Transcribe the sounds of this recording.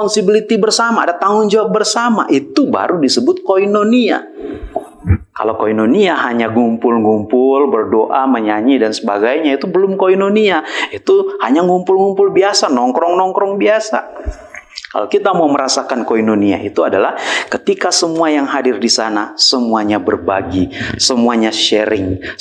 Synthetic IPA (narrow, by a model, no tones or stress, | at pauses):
pɔnsibilit̪ibərsama̰ːdat̪aŋʊnd͡ʒawap̚bərsama̰ʔit̪uba̰ɾudisəbʊt̪̚koinonia̰ | ka̰lokoinoniaɦaɲaɡumpʊlŋumpʊlbərdoʔaməɲaɲidansəba̰ɡajɲait̪ubəlʊmkoinoniait̪uhaɲaŋumpʊlŋumpʊlbiasanɔŋkɾɔŋnɔŋkɾɔŋbiasa̰ | ka̰lokit̪amawməɾasakankoinonia̰ʔit̪uadalahkət̪ikasəmuajaŋɦadɪrdisanasəmuaɲabərba̰ɡisəmuaɲaʃəɾɪ̰ŋ